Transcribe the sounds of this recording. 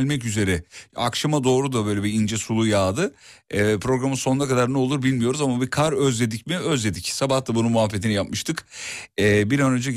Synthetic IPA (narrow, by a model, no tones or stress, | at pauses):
lʲmɛcyze̞ɾɛa̰kʃamad̪o̞ːɾud̪abø̞jlʲebiind͡ʒɛsulˠujaːd̪ɯɛpʰɾo̞ɡɾamɯso̞nakad̪aɾne̞lˠuɾbilʲmijo̞ɾuzamabikʰaɾøzlʲe̞d̪icmiø̞zlʲe̞d̪icsabaht̪ʰabunumuafːet̪inijapmɯʃt̪ʰɯkɛːbiɾanø̞nd͡ʒɛ